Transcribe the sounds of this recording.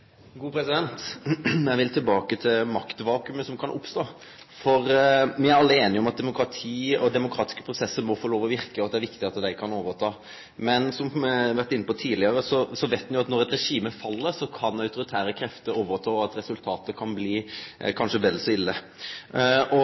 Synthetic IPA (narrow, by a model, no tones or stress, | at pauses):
ɡuːpʰɾɛsɪd̪ɛnt̪jæɪʋɪlt̪ʰɪlbɑːkət̪ʰɪlmɑkt̪ʋɑːkʉməsɔmkʰɑnʔʊ̰pst̪oː | fɔɾʋɪæɾɑlːəəeːnɪɔmɑt̪̚d̪ɛmʊkɾɑt̪ʰiːɔd̪ɛmʊkʰɾɑːt̪ɪ̥skə̥pʰɾʊsɛsːəɾmɔfɔɾloːʋɔʋɪɾkəɔt̪̚d̪ɛæɾʋɪkt̪ɪɑt̪d̪æɪkʰɑnoːʋəɾt̪ʰɑː | mɛnsɔmʋæɾt̪ɪnːəpɔt̪ʰiːlɪəɾəsɔsɔʋæɪt̪mnjʊɑt̪nɔɾɛt̪ɾɛʂiːməfɑlːəɾsɔkʰɑnɑʉt̪ʊɾɪt̪ʰæːɾəkʰɾɛft̪əɾoːʋəɾt̪ʰɑːɑt̪ɾɛsʉlt̪ʰɑːt̪əkʰɑnbliːkʰɑnʂəʋɛlːsɔɪlːə | ʔɔ